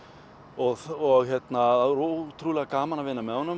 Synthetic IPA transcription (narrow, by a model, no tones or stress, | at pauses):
ɔɣɔɣçjɛt̪naaɾot̪ʰɾuːlɛɣakaːmanavɪnːamɛðhɔnːʏ